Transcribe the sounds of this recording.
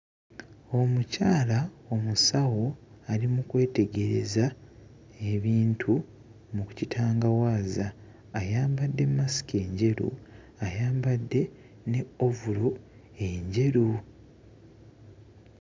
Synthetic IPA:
o̞mucaːlao̞musawo̞ | alimukwe̞ːte̞ɡe̞ɾe̞̰za | e̞βiːntʰu | muku̥citʰaːŋɡawaːzaː | jaːmbadːe̞mːasi̥ce̞ːɲɟe̞ɾṵ | ajaːmbadːe̞ | ne̞o̞vulo | e̞ɲɟe̞ɾu

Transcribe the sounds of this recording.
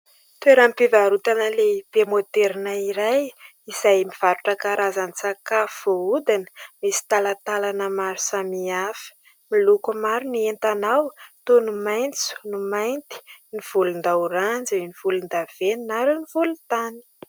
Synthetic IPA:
t̪ueɾampivaɾut̪anəleb̥emot̪eɾinaiɾaj | izajmiv̥aɾuʈ͡ʂəkaɾʔazanisakafoud̪inə̥misi̥t̪alat̪alanəmaɾu̥samiafə̥ | milukumaɾunient̪anawt̪onumajnt͡su̥numajnt̪i̥niv̥ulund̪auɾand͡ziniv̥ulund̪av̥eninaɾunivulut̪ani̥

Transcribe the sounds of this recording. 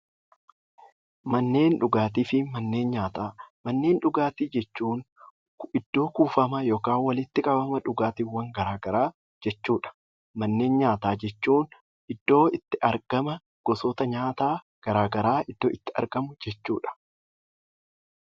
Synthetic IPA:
mɐnːe̞ːnᶑʊɡaːt̪iːfɪmɐnːe̞ːnɲaːt̪aːmɐnːe̞ːnᶑʊɡaːt̪iːd͡ʒɛt͡ʃːuːŋ | kɪd̪̥ːo̞ːkuːfɐmɐjoːkaːnwɐlɪt̪ːɪkʼɐbɐmɐᶑʊɡaːt̪iːwːɐŋɡɐɾaːɡɐɾaː | d͡ʒɛt͡ʃːuːᶑɐ̥ | mɐnːe̞ːnɲaːt̪aːd͡ʒɛt͡ʃːuːn | ʔɪd̪̥ːo̞ːɪt̪ːɪʔɐɾɡ̥ɐmɐ | ɡ̥ɔsoːt̪ɐɲaːt̪aː | ɡ̥ɐɾaːɡɐɾaːɪd̪̥ːo̞ːʔɪt̪ːɪɐ̰ɾɡɐmʊd͡ʒɛt͡ʃːuːᶑɐ̥

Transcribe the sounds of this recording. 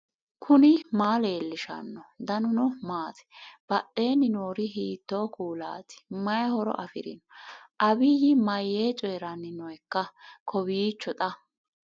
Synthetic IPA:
kʰʊnɪmaːle̞ːlːɪʃɐ̰nːɔd̪ɐnʊnɔmaːt̪ʰɛ̥b̥ɐʔe̞ːnɪnoːɾɪɦiːt̪ːoːkuːla̰ːt̪ɪ̥mɐjhɔɾɔ̰ʔɐfɪ̰ɾɪ̰nɔʔɐbɪjɪmɐjːeːt͡ʃʼɔjɛɾɐnːɪnɔɛkːɐkʰɔbiːt͡ʃːɔt̪ʼɐ

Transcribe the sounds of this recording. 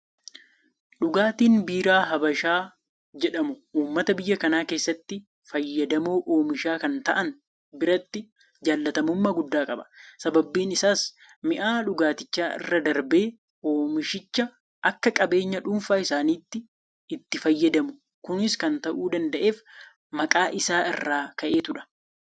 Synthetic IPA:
ᶑʊɡaːt̪iːnbiːɾaːɦɐbɐʃaː | d͡ʒɛᶑɐmʊuːmːɐt̪ɐbɪjːɐkɐnaːke̞ːsːɐt̪ːɪ | fɐjːɐd̪ɐmoːʔo̞ːmɪʃaːkɐnt̪ɐʔɐn | bɪɾɐt̪ːɪ | d͡ʒaːlːɐt̪ɐmʊmːɐɡʊd̪ːaːkʼɐbɐ̥sɐbɐbːiːnɪsaːs | mɪʔaːᶑʊɡaːt̪ɪt͡ʃːaːɪ̰rːɐd̪ɐɾbe̞ː | oːmɪʃɪt͡ʃːɐ | ʔɐkːɐkʼɐbe̞ːɲːɐᶑuːnfaːɪsaːniːt̪ːɪ | ɪt̪ːɪfɐjːɐd̪ɐmʊ | kʊnɪskɐnt̪ɐʔuːd̪ɐnd̪ɐʔe̞ːf | mɐkʼaːʔɪsaːɪ̰rːaːkɐʔe̞ːt̪ʊᶑɐ̥

